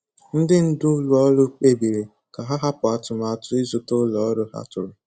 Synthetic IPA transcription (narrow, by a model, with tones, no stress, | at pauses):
n̩˦dɪ˦n̩˦dʊ˦lʊ˨ɔ˦ɾʊ˦k͡pe˦bi˨ɾe˨ | ka˨ɦa˦ɦa˦pʊ˨a˨tʊ˨m˨a˨tʊ˦ɪ˦zʊ˨tʊ˦lɔ˨ɔ˦ɾʊ˦ha̰˦tʊ˨ɾʊ˨